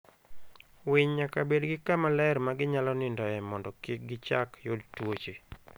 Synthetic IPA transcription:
wɪɲɲakabedɡɪkamalɛɾmaɡɪɲalɔnɪndɔɛmɔndɔkɪk̚ɡɪt͡ʃakjodtwot͡ʃe

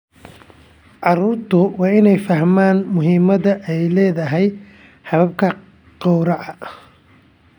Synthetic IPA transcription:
ʕɑruːrt̪ʰʊwɑːɪnɛjfɐhmaːnmʊɦiːmɐðɐʔɛjlɛːðɐɦɛj | ħɑβɐb̚kʰɐ | qɑwɾɑʕɑ

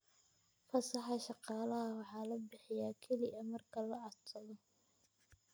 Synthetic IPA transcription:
fɐsɑħɑʃɑqɑːlɐɦɐwɑħɑːlɐbɪħɪjaːkʰɛlɪʔɐmɐrkʰɐlɐʔɐtʰɐðɔ

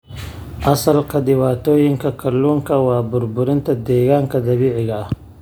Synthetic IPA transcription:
asalqad̪iwaːt̪ojiŋkakaluŋkawaːbʊɾbuɾint̪ad̪eɡaːŋkad̪ɐwiʕiɡa

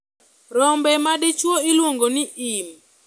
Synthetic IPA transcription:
ɾɔmbɛmadɪt͡ʃwoilwoŋɡonɪʔim

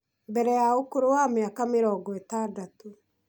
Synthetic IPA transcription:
mbɛɾɛjaokoɾowameakameɾɔːɡɔetaːdato

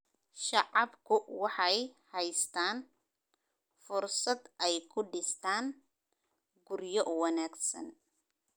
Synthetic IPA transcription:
ʃɑʕɑbkʰʊwɑħɑjhɛjst̪ʰaːn | fʊrsɐd̪ɛjkʰʊɖɪst̪ʰaːn | ɡʊrjɔʔwɑnaːɡsɐ̰n

